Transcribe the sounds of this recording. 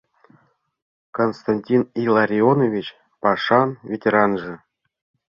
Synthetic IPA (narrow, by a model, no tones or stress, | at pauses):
konst̪anʲtʲinilˠaɾʲionovʲit͡ɕ | pɑʂɑnvʲetʲeɾɑnʐɤ̆